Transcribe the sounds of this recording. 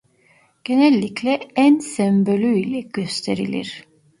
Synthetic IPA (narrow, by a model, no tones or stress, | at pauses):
ɟ̥e̞nɛlʲːiclʲɛænsɛmbølʲyilʲɛɟ̥øst̪ʰe̞ɾḭlʲḭɾ̥